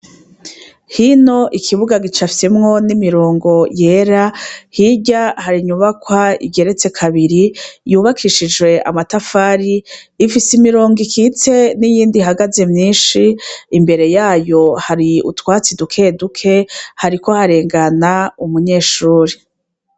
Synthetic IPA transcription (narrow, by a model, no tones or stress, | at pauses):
hino̞ʔikʰiβuɡaɡit͡ʃafisemŋo̞nimiɾoːŋɡo̞je̞ːɾahiɟahaɾiɲuβakwaḭɟe̞ɾe̞t͡se̞kʰaβiɾijuːβakʰiʃid͡ʒɡwe̞ʔa̰matafaːɾiːfisimiɾo̞ːŋɡikʰit͡se̞nijiːndiɦaɡaze̞mɲiːnʃiːmbe̞ɾe̞jaːjo̞haɾiṵtwaːt͡sidukʰe̞dukʰe̞haɾiko̞haɾe̞ːŋɡanaumuɲe̞ːʃuːɾi